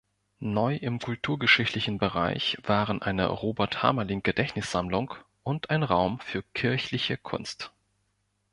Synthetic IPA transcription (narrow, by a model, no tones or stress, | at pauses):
nɔʏʔɪmkʰʊltʰuːɐɡəʃɪçtlɪçn̩bəʁa̰ɪçv̥aːʁənʔa̰ɪnə̰ʁoːbɛɐtha̰ːmɐlɪŋɡ̥ədɛçnɪsz̥amlʊŋk | ʔʊntʔaɪnʁaʊmfyːɐkʰɪɐçlɪçəkʰʊ̰nst